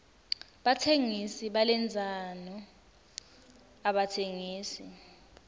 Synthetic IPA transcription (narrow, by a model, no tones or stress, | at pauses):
ɓatʰeŋisiɓalɛnd͡zʱanɔ | aɓatʰeŋiːsi